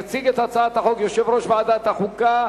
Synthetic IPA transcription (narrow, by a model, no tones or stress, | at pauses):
t͡siɡet̪at͡saat̪haχokjoʃevɾoʃbead̪at̪haχuka